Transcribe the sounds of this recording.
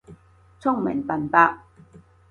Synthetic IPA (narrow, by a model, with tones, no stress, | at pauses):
t͡sʰʊ˥˩ŋmɪ̰˨˩ŋpɐ˨˩npaː˧k̚